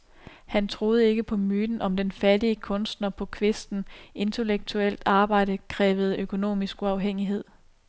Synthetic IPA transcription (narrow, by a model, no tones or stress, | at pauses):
hænt͡sʰʁo̝ːð̞̩ˠəe̝ɡ̥əpʰɒ̽myːd̥n̩ʔɒ̽md̥enfæd̥iəkʰɔ̽nsd̥nɐpʰɒ̽kʰʋe̝sd̥n̩ʔe̝nt͡sʰe̝leɡ̥̚t͡sʰuel̰d̥ɑ̈ːb̥ɑ̈ɪ̰d̥əkʰʁɛːʋð̞̩ˠøkʰo̝no̝̰ːmisɡ̥uɑ̈ʊɦeŋ̰iɦe̝ð̞̰ˠ